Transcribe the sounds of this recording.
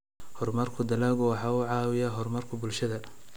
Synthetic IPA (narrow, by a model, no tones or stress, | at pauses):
hɔrmɐrkʰʊd̪ɐlaːɣʊwɑħɑːʊʕɑːwɪjaɦɔrmɐrkʰʊbʊlʃɐðɐ